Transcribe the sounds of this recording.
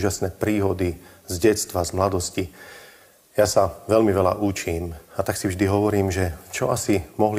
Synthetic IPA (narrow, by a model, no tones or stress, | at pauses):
ʒasnɛːpɾiːɦɔd̪i | zɟɛst̪ʋazmlad̪ɔsci | jasaʋɛʎmiʋɛla̰ʔut͡ʃiːmat̪aksivʒd̪iɦɔʋɔɾiːmʒɛt͡ʃɔʔasimɔɦl